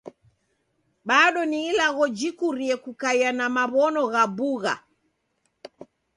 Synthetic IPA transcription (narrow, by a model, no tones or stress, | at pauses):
ɓaɗɔniːlaɣɔd͡ʒikuɾiɛkukaianamaβɔnɔɣabuɣa̰